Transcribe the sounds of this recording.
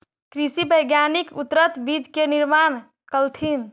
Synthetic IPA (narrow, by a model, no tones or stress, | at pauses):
kɾisibəjɡjanikut̪ɾət̪bid͡ʒkeniɾman | kəlt̪ʰin